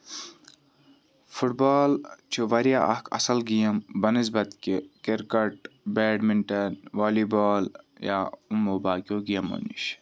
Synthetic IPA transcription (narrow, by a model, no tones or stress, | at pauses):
fuʈ̚baːlt͡ʃʰuʋɐɾjaːʔɐ̰kʰɐ̰sɐlɡijɐmbɐnizbɐt̪kikeɾkɐʈ̚beːɖmiɳʈɐnʋaːliboːl | ja̰ːumːobaːkʲoːɡijɐmo̰nḭʃ